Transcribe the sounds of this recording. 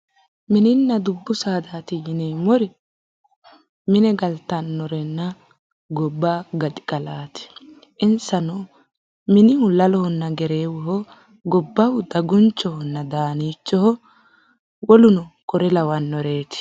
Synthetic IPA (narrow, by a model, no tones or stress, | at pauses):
mɪnɪnːɐd̪ʊbːʊsaːd̪aːt̪ɪjɪneːmɔɾɪ | mɪnɛɡɐlt̪ːɐnːɔɾɛnːɐ | ɡɔbːaːɡɐt̪ʼɪ̥kʼɐlaːt̪ɪ̥ | ʔɪnsɐnoː | mɪnɪhʊlɐlɔhɔnːɐɡɛɾe̞ːwɔɦɔ | ɡɔbːɐwʊd̪ɐɡʊnt͡ʃːɔhɔnːɐd̪aːniːt͡ʃːɔhɔ | wɔlʊnɔkʼɔɾɛlɐwɐnːɔɾeːt̪ɪ̥